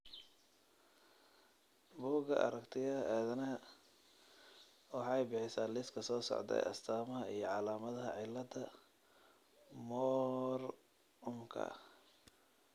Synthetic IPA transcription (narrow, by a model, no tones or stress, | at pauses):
buːɡɐ̰ʔɐ̰ɾɐkt̪ʰɪɐʔɛːðɐnɐɦɐ | wɑħɑɛjbɪħɪsaːlɪskʰɐsɔːsɔ̰ʕd̪ɛ̰jʔɐ̰st̪ʰaːmɐɦɐijɞʕɑlaːmɐðɐɦɐ̰ʕɪlːɐd̪ɐ | mɔːr | ʊmkʰɐ̰